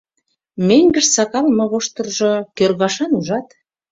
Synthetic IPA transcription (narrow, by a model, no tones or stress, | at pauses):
meŋɡə̆ʃsɑkɑlmɤ̆βoʃt̪ɤ̆rʒokørɣɑʃɑnuʒɑt̪